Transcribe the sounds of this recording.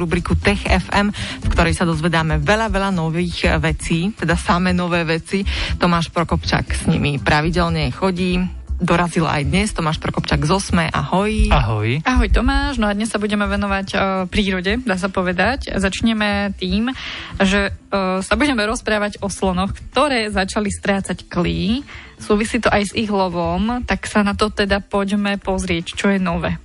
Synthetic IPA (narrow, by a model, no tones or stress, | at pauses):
ɾubɾikut̪ɛxɛfɛmfkt̪ɔɾɛjsad̪ɔzʋɛd̪aːmɛʋɛʎaʋɛʎanɔʋiːɣʋɛt͡siːt̪ɛd̪asamɛːnɔʋɛːʋɛt͡sit̪ɔmaːʃpɾɔkɔpt͡ʃa̰ksɲḭmipɾaʋiɟɛlɲɛxɔɟiː | d̪ɔɾazila̰jd̪ɲɛst̪ɔmaːʃpɾɔkɔpt͡ʃaɡzɔsmɛʔa̰hɔjaɦɔjaɦɔjt̪ɔmaːʃnɔad̪ɲɛssabuɟɛmɛʋɛnɔʋacpɾiːɾɔɟɛd̪aːs̬apɔʋɛd̪aczat͡ʃɲɛmɛt̪iːmʒɛsabuɟɛmɛɾɔspɾaːʋaɟɔslɔnɔxkt̪ɔɾɛːzat͡ʃalist̪ɾaːt͡sackliː | suːʋisiːt̪ɔʔajziɣlɔʋɔmt̪aksanat̪ɔt̪ɛd̪apɔɟmɛpɔzɾɪɛct͡ʃɔjɛnɔʋɛː